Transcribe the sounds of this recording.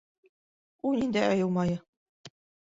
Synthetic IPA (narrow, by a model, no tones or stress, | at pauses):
unind̪æɑjɤ̆lˠmɑjɤ